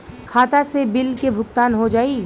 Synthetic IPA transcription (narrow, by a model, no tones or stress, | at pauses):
kʰaːt̪asebɪlkebʱʊkt̪aːnɦod͡ʒaːiː